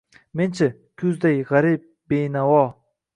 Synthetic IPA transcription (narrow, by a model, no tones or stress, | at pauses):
ment͡ʃʰɪ | kʲʰʊzd̪ajʁaɾip̚ | bejnawɔ